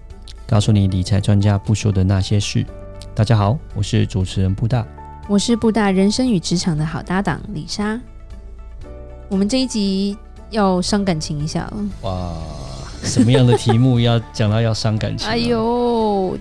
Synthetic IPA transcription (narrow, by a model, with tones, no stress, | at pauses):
kɑ˥˧ʊsu˥˩ni˨˩˦li˨˩t͡sʰa˨˥ɪʈ͡ʂwa˥nt͡ɕja˥pu˥˩ɕjo˥ʊd̪ə˨na˥˩ɕjɛ˥ʂɻ̩˥˩ | t̪a˥˩t͡ɕja˥xɑ˨˦ʊwɔ˨˩ʂɻ̩˥˩ʈ͡ʂu˨˩ʈ͡ʂʰɻ̩˧˥ɻə˧˦npu˥˧t̪a̰˥˩ | wɔ˨˩ʂɻ̩˥˧pu˥˧t̪a˥˩ɻə˧˥nʂə˥ŋy˨˩ʈ͡ʂɻ̩˧˥ʈ͡ʂʰɑ˧˥ŋd̪ə˧xɑ˨˩ʊt̪a˥˩t̪ɑ̰˨˩ŋlḭ˨˩ʂa˥ | wɔ˨˩mə˦nʈ͡ʂɤ˥˧i˥˩t͡ɕi˧˥ | jɑ˥˩ʊʂɑ˥ŋka˨˩nt͡ɕʰi˧˥ŋi˧˥ɕja̰˥˩lə̰˩wa˥˩ | ʂə˨˧˨nmə˦jɑ˥˩ŋd̪ə˩t̪ʰi˧˥mu˥˧jɑ˥˧ʊt͡ɕjɑ˨˩ŋt̪ɑ˥˧ʊjɑ˥˩ʊʂɑ˥ŋka̰˨˩nt͡ɕʰia˦˥˧jo˧˥